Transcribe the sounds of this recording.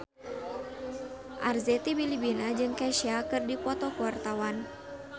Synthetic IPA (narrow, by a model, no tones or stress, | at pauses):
ʔarzɛt̪ibilibinad͡ʒɨŋkɛʃiakɨrdipɔt̪ɔkuwart̪awan